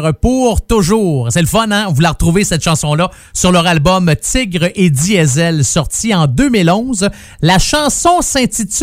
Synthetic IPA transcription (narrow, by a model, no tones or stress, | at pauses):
ʁpuʁt̪ʊʒuːʁsɛləfɔnɛ̃vulaʁət̪ʁuvesɛt̪ʃɑ̃sɔ̃lʌ | syʁlœʁalbɔmt̪ɪɡʁed̪iɛzɛlsɔʁt̪iɑ̃d̪ømilɔ̃z | laʃɑ̃sɔ̃sɛ̃t̪it̪